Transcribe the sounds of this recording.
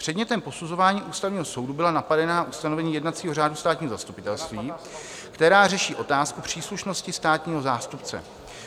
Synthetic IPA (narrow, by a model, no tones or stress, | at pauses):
pr̝̥ɛdɲɛt̪ɛmpo̞suzo̞vaːɲiːʔuːst̪avɲiːɦo̞so̞wdubɪlanapadɛnaʔust̪ano̞vɛɲiːjɛdnat̪t͡siːɦo̞r̝aːdust̪aːt̪ɲiːɦozast̪upɪt̪ɛlst̪viː | kt̪ɛɾaːrɛʃiːʔo̞t̪aːskupr̝̥iːsluʃno̞scɪst̪aːt̪ɲiːɦo̞zaːst̪upt͡sɛ̰